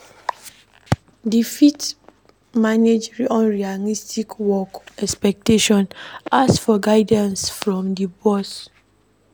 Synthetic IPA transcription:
difit | maned͡ʒɹiɔ̃nɹialistʰikwɔkɛspɛk̚teʃɔ̃nasfɔɡaɪdãnsfɹɔ̃mdibɔs

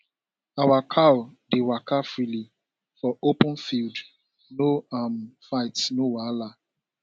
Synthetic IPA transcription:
awakʰaʊdewakafɾili | fɔopʊ̃n̩fild | noam̩faɪtnowala

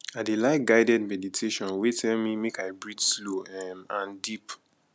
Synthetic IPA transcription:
adelaɪt̚ɡaɪdɛd̚mɛditʰeʃɔ̃nwetʰɛlmimekaɪbɹidsloɛmãndip

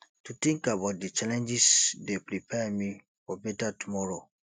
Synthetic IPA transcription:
tutĩŋkabaʊt̚dit͡ʃalɛ̃nd͡ʒisdepɹipʰɛmi | fɔbɛtatumɔɹo

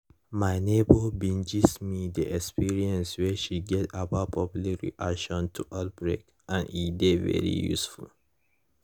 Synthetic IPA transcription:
maɪnebɔbĩnd͡ʒismidəʔɛkspiɹiɛ̃nswɛʃiɡɛtaapʰɔplakɹḭʔakʃɔ̃ntʰuʔat̚bɹḛk | ãnidevɛ̰ɹḭjṵsfṵl

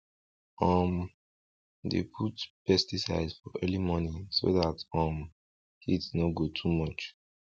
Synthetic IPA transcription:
ɔ̃m | dḛpʰutpɛstisaɪdzfɔʔɛlimɔniso̰ðatɔ̃m | kʰidsnoɡotʰumɔt͡ʃ

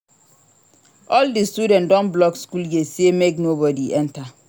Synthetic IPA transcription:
ʔɔldistudɛ̃ntdɔ̃nblɔkskuljesemeknobɔdiʔɛ̃nta

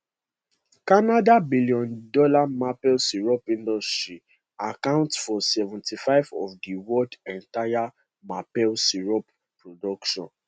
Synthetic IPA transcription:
kanadabiliɔ̃ndɔlamapɛlsiɹɔpĩndɔstɹi | akãʊ̃ntsfɔsɛvɔ̃ntʰifaɪvɔfdiwɔdɛ̃ntaja | mapɛlsiɹɔp | pɹɔdɔkʃɔ̰̃n

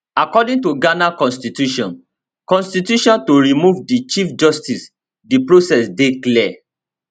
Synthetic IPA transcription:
akɔdĩŋtuɡanakɔ̃nstitjuʃɔ̃n | kɔ̃nstitjuʃɔ̃ntoɹimuvdit͡ʃifd͡ʒɔstis | dipɹosɛsdeklɛ

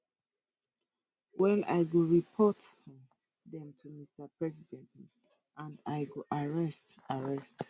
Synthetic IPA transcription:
wɛla̰ɪɡuɹipʰɔt | ðɛ̃mtʰumistəpɹɛzidɛ̃nt | ʔãndaɪɡuʔaɹɛstaɹɛst

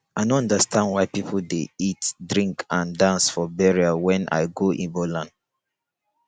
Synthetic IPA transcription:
aɪnoɔ̃ndəstʰãndwaɪpipʰl̩deitdɹĩŋkʰãndãnsfɔbɛɹiawɛ̃nʔa̰ɪɡoʔḭ̃nbolãnd

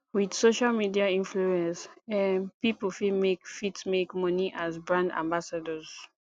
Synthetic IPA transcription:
widsoʃalmidiaĩnfluɛ̃nsɛ̃npipəfimekfitsmekmɔniʔazbɹãndã̰mbasadɔz

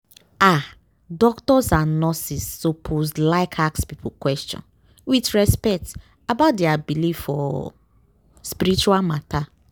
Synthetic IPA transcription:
a | dɔktɔsãnnɔsisːopʰozlaɪkʰakspipʰukwɛst͡ʃɔ̰̃n | witɹɛspɛk̚t | abaʊt̚deabilivfɔ̰ | spiɾit͡ʃualmata

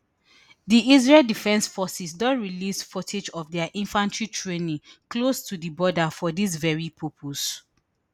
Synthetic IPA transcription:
diiz̬ɹɛldifɛ̃nsfɔsisdɔ̃nɹilisfɔted͡ʒɔfdɛaʔĩnfãntʰɹitʰɹẽnĩklostʰudibɔdafɔdis̬vɛɹipʰɔpʰos

